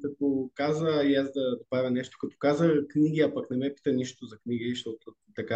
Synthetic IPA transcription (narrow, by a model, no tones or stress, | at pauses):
kɐt̪okazəjazd̪ɐd̪ɐpɾavʲɐnɛʃt̪o̥kɐt̪o̥kazəkniɡ̟iapɐknɛmɛpi̥t̪əniʃt̪ozɐkniɡiʃt̪ɔt̪ʊ | t̪ɐka